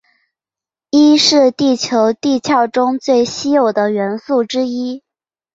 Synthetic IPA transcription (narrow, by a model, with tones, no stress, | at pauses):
i˥ʂɻ̩˥˧t̪i˥˩t͡ɕʰjo˧˥ʊt̪i˥˧t͡ɕʰjɑ˥˩ʊʈ͡ʂʊ˥ŋt͡swe˥˩ɪɕi˥jo˨˩ʊd̪ə˦ɥɛ˧˥nsu˥˩ʈ͡ʂɻ̩˥i˥